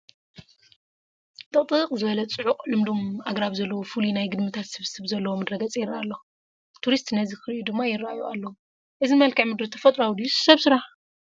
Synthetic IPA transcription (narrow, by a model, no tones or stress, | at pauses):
t̪ʼɨχʼt̪ʼɨqʼzɨβɐlɐt͡sʼɨʕuqʼlɨmd̪omaɡɾaβzɐlːɐwofulinajɡɨd̪mɨt̪ʰat̪sɨβsɨβzɐlːɐwomɐd̪ɾɐɡɐt͡sʼjɪraʔalːɐ | t̪ʰuɾist̪nɐzikɨɾiʔud̪ɨmːajɪɾaajuʔalːɐwu | ʔɨzimɐlkʰɐʕmɨd̪ɾut̪ʰɐfɐt̪ʼɾoawd̪issɐβsɨɾaħ